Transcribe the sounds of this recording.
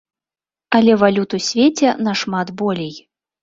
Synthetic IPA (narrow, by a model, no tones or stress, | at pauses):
ɐlʲɛvalʲut̪usʲvʲet͡sʲɛnɐʂmat̪bɔlʲɛj